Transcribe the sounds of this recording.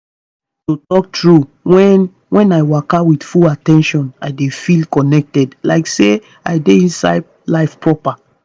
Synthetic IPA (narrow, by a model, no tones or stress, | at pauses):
totɔk̚tɹu | wɛ̃n | wɛ̃naɪwakawidfulatɛ̃nʃɔ̃naɪdefilkɔnɛk̚tɛdlaɪkse | aɪdeĩnsa̰ɪd̚ | laɪfpɹɔpa